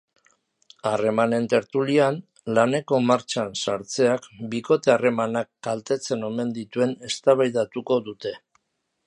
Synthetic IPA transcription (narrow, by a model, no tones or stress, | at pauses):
are̞mane̞nt̪e̞ɾt̪ulian | lane̞ko̞maɾt͡ʃansaɾt͡se̞akbiko̞t̪e̞are̞manakːalt̪e̞t͡se̞no̞me̞nd̪it̪ue̞ne̞st̪aβajðat̪uko̞ðut̪e̞